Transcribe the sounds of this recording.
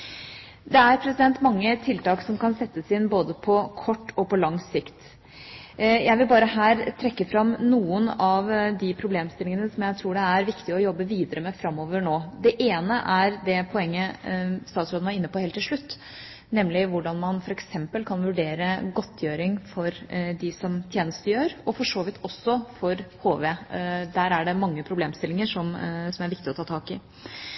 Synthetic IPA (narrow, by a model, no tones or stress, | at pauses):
d̪ɛæɾpʰɾɛsɪd̪ɛnt̪mɑŋːət̪ʰɪlt̪ɑːksɔmkɑnsɛt̪ːəsɪnboːd̪əpʰɔkʰɔʈːɔpɔlɑŋsɪkt̪ | jæɪʋɪlbɑːɾəɦæːɾt̪ʰɾɛkːəfɾɑmnuːənɑʋd̪ɪpʰɾʊbleːmst̪ɪlɪŋənəsɔmjæɪt̪ʰɾuːɖɛæɾʋɪkt̪ɪəɔjɔbːəʋiːd̪əɾəmɛfɾɑmːoːʋəɾɳoːd̪ɛʔeːnəʔæɾd̪ɛpʰɔɛŋːəst̪ɑːt̪sɾoːd̪nʋɑɾɪnːəpɔheːlt̪ʰːɪlʂɭʉt̪ː | nɛmːlɪʋʊɖɑnmɑnfɔɾɛksɛmpəlkʰɑnʋʉɖeːɾəɡɔt̪ʰːjøːɾɪŋfɔɾd̪ɪsɔmt̪ʰjeːnəst̪əjøːɾɔfɔʂoːʋɪt̪ʰːɔsːɔfɔɾhoːʋeːd̪æːɾæɖɛmɑŋːəpʰɾʊbleːmst̪ɪlːɪŋəʂɔmsɔmæɾʋɪk̚t̪ɪɔt̪ʰɑːt̪ʰɑːkɪ